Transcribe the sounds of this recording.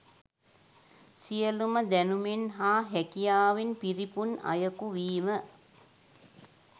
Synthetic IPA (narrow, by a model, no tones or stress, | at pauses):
sijəluməd̪ænumenɦaːɦækijaːʋenpiɾipuna̰jəkuʋiːmə